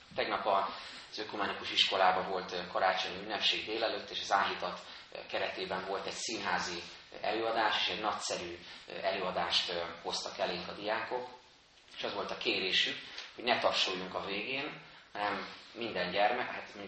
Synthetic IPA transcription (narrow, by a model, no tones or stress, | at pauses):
t̪ɛɡnɒpɒ | z̥økumɛnikuʃiʃko̞laːbɒvo̞lt̪kɒɾaːt͡ʃoɲiynːɛpʃeːɡd̪eːlɛløːt̪ːeːʃɒzaːlɦit̪ɒt̪ | kɛɾɛt̪eːbɛɱvo̞lt̪ɛɟsinɦaːzi | ɛ̰løːɒd̪aːʃe̥ːʃɛɟnɒcsɛɾyːɛløːɒd̪aːʃt̪ho̞st̪ɒkɛleːŋkɒd̪ijaːko̞k | eʃɒzʋo̞lt̪ɒkeːɾeːʃykho̞ɟnɛt̪ɒrʃujuŋkɒveːɡeːnhɒnɛmːind̪ɛɲɟɛrmɛat̪i